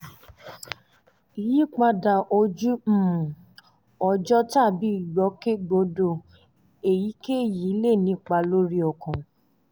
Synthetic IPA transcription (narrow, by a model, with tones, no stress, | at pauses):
i˨ji˨˦k͡pa˧da˨ʔo˧d͡ʒũ˦˨ | ɔ˧d͡ʒɔ˦ta˦˨bi˨˦i˦˨jɔ˨˦ke˦ɡ͡bo˧˦do˧ | e˨ji˨˦ke˦˨ji˨˦le˦˨nĩ˧k͡pa˧˨lo˦ɾi˦ɔ˨kã˨